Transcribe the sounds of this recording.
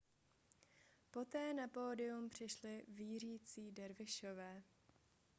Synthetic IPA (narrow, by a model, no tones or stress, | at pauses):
po̞t̪ɛːnapoːdɪumpr̝̥ɪʃlɪviːriːt͡siːdɛɾvɪʃovɛː